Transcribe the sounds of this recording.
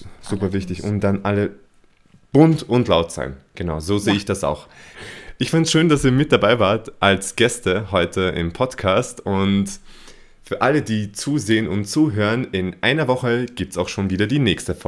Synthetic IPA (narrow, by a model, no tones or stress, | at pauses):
z̥uːpɐvɪçtɪçʊntd̥anʔalə | b̥ʊntʊntlaʊtz̥a̰ɪnɡ̥ənaʊzoːzeːəɪçd̥asa̰ʊx | ʔɪçfandtsʃøːndasiːɐmɪt̚d̥abaɪvaːɐtʔalsɡ̥ɛstəhɔʏtʰəʔɪ̰mpʰɔtkʰaːstʊnt | fyːɐʔalədiːt͡suːzeːənʔʊntt͡suːɦøːʁənɪnʔa̰ɪnɐvɔχəɡ̥iːp̚tsaʊxʃoːnviːdɐdiːnɛːçstəfɔ